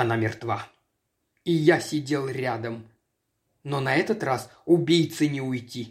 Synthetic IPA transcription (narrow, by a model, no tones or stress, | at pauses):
anamʲɪrt̪va | ijasʲɪdʲe̞lˠrʲad̪əm | nonɐɛt̪ət̪rasʊbʲejt̪sɨnʲɪʊjtʲi